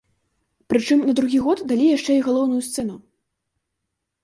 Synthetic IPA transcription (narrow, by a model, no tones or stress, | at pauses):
pɾɨt͡ʂɨmnɐd̪ɾuɣʲiɣɔt̪d̪alʲijaʂt͡ʂɛiɣalˠɔwnujust̪sɛnu